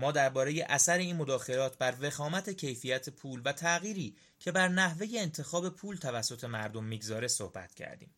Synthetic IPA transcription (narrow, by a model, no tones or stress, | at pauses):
mɒːd̪æɾbɒːɾe̞je̞ʔæsæɾe̞iːnmod̪ɒːxe̞lɒːt̪̚ʰbæɾve̞xɒːmæt̪ʰe̞cʰe̞jfijæt̪ʰe̞pʰuːlvæt̪ʰæɣiːɾiː | cʰe̞bæɾnæhve̞je̞ːnt̪ʰe̞xɒːbe̞pʰuːlt̪ʰævæsːo̞t̪ʰe̞mæɾd̪o̞mːiːɡzɒːɾe̞so̰hb̥æ̰t̪cʰæ̰ɾd̪ḭːmm